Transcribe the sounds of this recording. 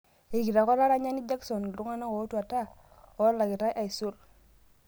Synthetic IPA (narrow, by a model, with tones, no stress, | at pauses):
e˨ɡi˨ɾa˨ko˦ɾa˦ɾa˦ɲa˦ni˦d͡ʒa˦kso˨n˨lu˦ŋa˦na˦ko˨˦tu˦a˨ta˦˨ | o˨˦la˨ɡi˨ta˦jʔa˨i˨su˦ɾ